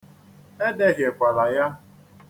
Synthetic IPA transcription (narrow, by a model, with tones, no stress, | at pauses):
e˦de˦ɣje˨kʷa˨la˨ja˦